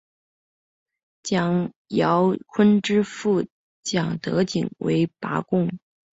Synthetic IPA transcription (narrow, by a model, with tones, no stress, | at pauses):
t͡ɕjɑ˨˩ŋ | jɑ˧˥ʊkʰwə˥nʈ͡ʂɻ̩˥fu˥˩ | t͡ɕjɑ˨˩ŋt̪ɤ˧˥t͡ɕḭ˨˩ŋwḛ˧˥ɪpa̰˧˥kʊ˥ŋ